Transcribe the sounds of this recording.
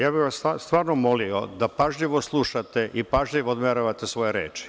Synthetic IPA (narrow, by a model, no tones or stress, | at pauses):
jaːbiʋast̪ast̪ʋaːɾnomo̞liod̪apaʒʎiʋoslˠuʃat̪eʔipaʒʎiʋood̪meɾoʋat̪esʋo̞jeɾḛːt͡ʃi̥